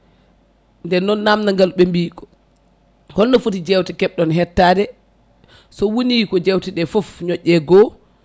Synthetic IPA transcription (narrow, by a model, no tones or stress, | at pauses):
ndɛnːɔnːamnaŋɡalɓɛmbiːkɔ̥ | hɔlnɔfotid͡ʒɛwtikɛɓɗɔnɦɛtːaːdɛ | sɔwonikɔd͡ʒɛwtiɗɛfofɲɔʔːɛɡɔ